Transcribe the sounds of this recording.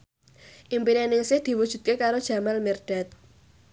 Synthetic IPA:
ʔimpinenɪŋsɪhd̪̥i̤wud̥ʒ̥ṳt̪̚kekaɾod̥ʒ̥ä̤malmirɖ̥a̤t̪̚

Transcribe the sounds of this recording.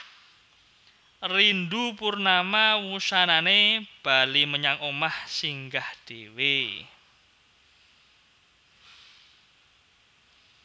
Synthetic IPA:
rind̪upurnamawusananeb̥aliməɲaŋomahsiŋɡahd̪̥ewe

